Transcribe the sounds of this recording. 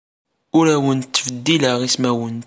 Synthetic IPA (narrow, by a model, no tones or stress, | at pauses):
ʊɾæwənt̪ːvəd̪ːiləʁismæwənt̪